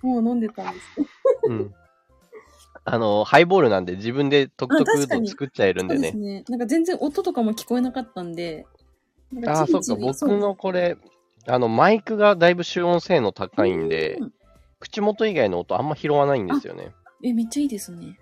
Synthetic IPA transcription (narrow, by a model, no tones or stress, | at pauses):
moːnõ̞nd̪et̪ãnd̪esɨ̥ɯ̟̃ɴ | ano̞haibo̞ːɾɯ̟nãnd̪e̞d͡ʑibɯ̟̃nd̪e̞t̪o̞kɯt̪ot̪aɯt̪oɲiɨ̥kɯ̟t͡ɕːaeɾɯ̟̃ned̪nenenãŋkazẽ̞nd͡zẽ̞ɰ̃ʔo̞t̪ot̪o̞kamokʲi̥ko̞enakat̪ːãnd̪e̞ | nãkaaːso̞kkːabo̞kɯ̟no̞ko̞ɾe̞ | ano̞maikɯ̟ɡad̪aibɯ̟ɕɨːõ̞ɰ̃se̞ːno̞t̪akaĩnd̪e̞̰ | kɯ̟̥t͡ɕimo̞t̪o̞iɡaino̞ːt̪o̞ã̰mːaçiɾo̞βanaĩnd̪e̞sɨjo̰ne̞̰ | emʲit͡ɕːaiːd̪e̞sɨne